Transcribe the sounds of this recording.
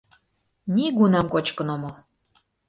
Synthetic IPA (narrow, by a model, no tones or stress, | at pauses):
niɡunɑmkot͡ɕkənoməl